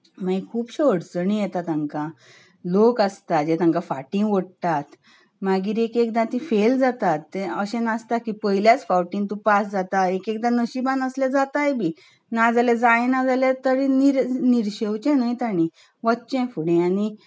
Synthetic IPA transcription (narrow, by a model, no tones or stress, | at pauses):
maikʰuːpɕoɽt͡səɳ̃ijɛt̪at̪ãŋka | lokast̪ad͡ʑet̪ãŋkafaʈĩŋɡʋəɽt̪at̪ | maɡiːɾekekd̪ãt̪ĩfeld͡zat̪at̪ːeəɕẽnast̪akipəiljat͡sfawʈint̪upasd͡zat̪aekek̚d̪anəɕibanəsled͡zat̪ajbiː | nad͡zaled͡zajnad͡zalet̪əɾeniɾniɾɕewt͡ɕɛ̃najt̪aɽ̃i | ʋət̪ːt͡ɕɛ̃fuɽẽañi